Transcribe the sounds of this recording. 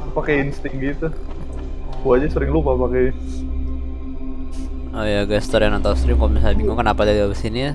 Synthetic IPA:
pakeinst̪ɪŋɡit̪u | kuad͡ʒasəɾɪŋlupapakɛ | ojaɡɛst̪əɾjanant̪awst̪ɾɪmkobisajbiŋuŋkənapadadiabəsini

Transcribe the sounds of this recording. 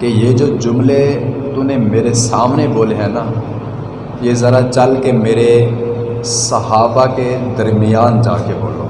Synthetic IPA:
kejeːd͡ʒoːd͡ʒʊmlet̪ʊnemeːɾesaːmneboːleɦɛ̃ːnaː | jezəɾat͡ʃəlkemeːɾe | səɦaːbaked̪əɾmɪjaːnd͡ʒa̰ːkebo̰ːlo̰ː

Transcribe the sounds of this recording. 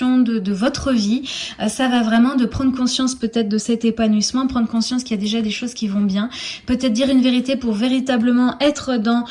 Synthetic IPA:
ɔ̃d̪əd̪əvɔt̪χəviøsavavʁɛmɑ̃d̪əpχɑ̃d̪ʁəkɔ̃sjɑ̃spøt̪ɛt̪χd̪əsɛt̪epanwismɑ̃pχɑ̃d̪ʁkɔ̃sjɑ̃skiljad̪eʒad̪eʃozkʲivɔ̃bjɛ̃pøt̪ɛt̪̚χd̪iʁynveʁit̪epuʁveʁit̪abləmɑ̃ʔɛt̪χd̪ɑ̃

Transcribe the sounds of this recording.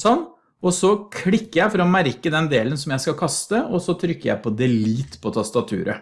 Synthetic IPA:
sɔnː | ɔsɔkʰɽɪkːəjæɪfɔɾɔmæɾkəd̪ɛnd̪eːlənsɔmjæɪskɑkʰɑst̪əɔsɔt̪ʰɾʏkːəjæ̰ɪpʰɔd̪ɛliːt̪ːpʰɔt̪ʰɑst̪ɑt̪ʰʉ̰ːɾʔə̰

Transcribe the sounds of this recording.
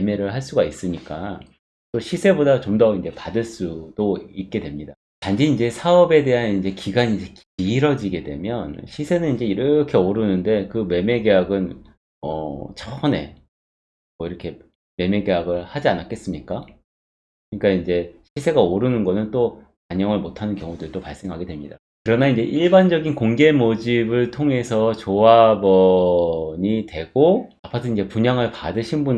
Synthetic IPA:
eme̞ɾɯɭɦaɭs͈uɡais͈ɯɲik͈a | t͈oɕʰisʰe̞bodat͡ɕomdʌind͡ʑe̞padɯɭs͈ud̥oit̚k͈e̞dwe̞mɲida | tand͡ʑiind͡ʑe̞sʰaʌbe̞de̞ɦanind͡ʑe̞kiɡanind͡ʑe̞k | iːɾʌd͡ʑiɡe̞dwe̞̰mjʌnɕʰisʰe̞nɯnind͡ʑe̞iɾʌkʰe̞oɾɯnɯnde̞kɯme̞me̞ɡeɦaɡɯn | ʌt͡ɕʰʌne̞̰ | mʌiɾʌkʰe̞ | me̞me̞ɡe̞ɦaɡɯɭhad͡ʑianak͈ʰe̞s͈ɯmɲik͈a | kɯɲik͈aind͡ʑe̞ɕʰisʰe̞ɡaoɾɯnɯnɡʌnɯnt͈okaɲʌŋɯɭmotʰanɯnkjʌŋudɯɭt͈opaɭs͈e̞ŋɦaɡe̞dwe̞mɲida | kɯɾʌnaind͡ʑe̞ʔiɭband͡ʑʌɡinkoŋɡe̞mod͡ʑibɯɭtʰoŋe̞sʰʌt͡ɕoabʌ | ɲitwe̞ɡoapʰatʰɯind͡ʑe̞puɲaŋɯɭpadɯɕʰinbun

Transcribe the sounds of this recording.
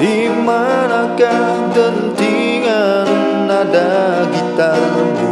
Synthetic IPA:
di | ma | naka | dənt̪i | ŋa | nː | ada | ɡit̪ar

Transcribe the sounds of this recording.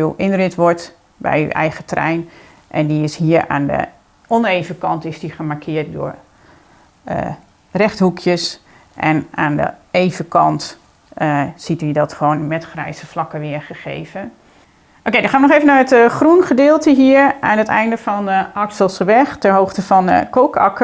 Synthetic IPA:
yʔɪnrɪtʋɔɹt | bɛ̰jy̰ʔɛ̰jɣətrɛ̰jn | ʔɛ̰ndiɪsɦiːəɹa̰ːndə̰ | ʔɔnejvəkɑntɪsdiχəmaɹkʰɪːɹt̚dʊ̰ːɹ | ə | rɛxthɦukʰjəs | ʔɛ̰naːndə̰ejvəkɑnt | sitədɔtχəʋoːnmɛtχrɛjsəflɑkəʋɪəɹχəχḛjvə | ʔokejdɔ̃χaːʋənɔχeːvənaːɹətχrunχədɪːlˠtəɦiːɹʔaːnɦətɛ̰jndəvɔnɑksəlˠsəʋɛxtɛnɦowxtəfɔnkoːkɑkə

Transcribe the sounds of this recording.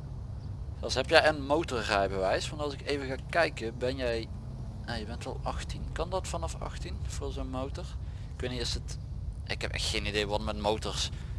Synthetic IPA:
zɛlˠsɦɛpjɛjənmowtɔrːɛjbəʋɛjsʋɑntɑlˠzɪkejvəɣaːkɛjkəbɛnjɛj | ajəbɛntɑlˠɑxtinkɑndɑtfɑnɑfɑ̰xtinv̥ʊːɹlzonmowtɔɹ | ɪkʋeniɪsət | ɪ̰kɛpɛ̰xtxejnidejʋɑtmɛtmowtɔɹs

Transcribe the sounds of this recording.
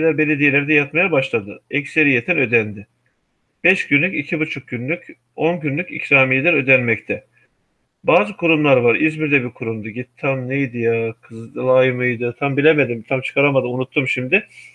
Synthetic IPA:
d̪abe̞lʲed̪ijelʲæɾd̪ɛjat̪majabaʃlˠad̪ɯɛcse̞ɾijet̪ʰinø̞d̪ænd̪ɪ | b̥ɛʃɟ̥ynlʲycicʰibut͡ʃʰuk̚ɟynlʲyc | o̞nɟynlʲycḭcʰɾaːmijd̪ænø̞d̪ænmɛct̪ʰɛ | baːzɯkʰuɾumlˠaɾvaɾizmiɾd̪ɛbikʰuɾumd̪uɟit̪t̪ʰːamnejd̪ijakʰɯzlˠajɯmɯjd̪ɯt̪ʰambilʲeme̞d̪imt̪ʰamt͡ʃʰɯ̥kʰaɾamad̪ɯmunut̪ʰːumʃimd̪ɪ

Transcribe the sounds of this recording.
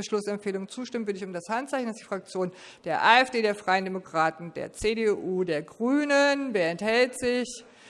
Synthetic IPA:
əʃlʊsɛmpfeːlʊŋənt͡suːʃtɪmən̩vɪldəɪçʊmdashantt͡saɪçn̩d̥asd̥iːfʁ̥ak̚t͡sjoːn | d̥eːɐʔaːɛfd̥eːɾeːɐfʁ̥aɪəndɛmokʁ̥aːtn̩dḛːɐt͡sedeʔuːdeːɐɡʁyːnənveːɐɛnthɛltz̥ɪç

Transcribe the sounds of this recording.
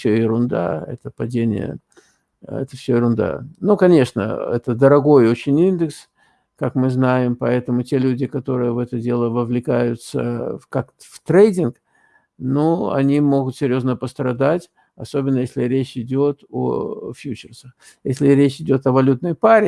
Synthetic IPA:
fsʲoɪɾʊnd̪a̰ɛ̰t̪əpɐdʲenʲɪ̰jə̰ | ɛ̰t̪əfsʲojɪɾʊnd̪a̰nukɐnʲe̞ʂnə̰ɛ̰t̪əd̪əɾɐɡo̞jo̞t͡ɕɪnʲind̪ɨks | kakmɨznajɪmpɐɛt̪əmʊtʲelʲudʲɪkɐt̪o̞ɾɨjəvɛt̪ədʲe̞lˠəvəvlʲɪkajʊt̪sə̰kak | ft̪ɾejdʲɪnk | noɐ̰nʲimo̞ɡʊt̪sʲɪɾʲjo̞znəpəst̪ɾɐd̪atʲ | ɐso̞bʲɪnːəjesʲlʲɪɾʲet͡ɕɪdʲo̞t̪o̰fʲjut͡ɕɪrsəx | jesʲlʲɪɾʲet͡ɕɪdʲo̞t̪ɐvɐlʲut̪nəjpaɾʲɪ

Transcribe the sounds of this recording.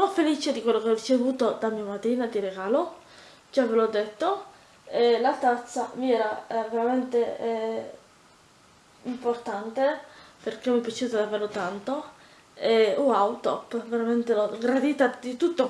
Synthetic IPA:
sonofeliːt͡ʃed̪ikwelːokeɔrit͡ʃevuːt̪od̪amiamat̪ɾiːnad̪iɾeɡaːlo | d͡ʒavelɔd̪ːet̪ːo | elat̪at̪sːamiɛːɾaveɾament̪e | import̪ant̪eperkemːipjat͡ʃut̪od̪iaveːɾlot̪ant̪o | euawt̪opveɾament̪eloɡɾad̪iːt̪ad̪it̪ut̪ːo

